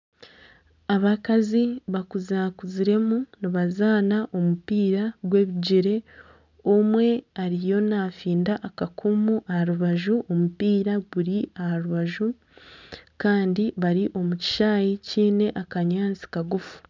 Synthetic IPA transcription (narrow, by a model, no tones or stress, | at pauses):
aβakaziβakuzakuziɾe̞muniβazaːnaʔo̞mupiːɾaɡwe̞ːβiɟiɾe̞ | omwe̞aɾijo̞naːfiːndaʔakakʰumuʔahaɾuβaʒuʔo̞mupiːɾaɡuɾiahaɾuβaʒu | kaːndiβaɾiʔo̞muci̥ʃaːjiciːne̞ʔakaɲaːnt͡si̥kaɡufu̥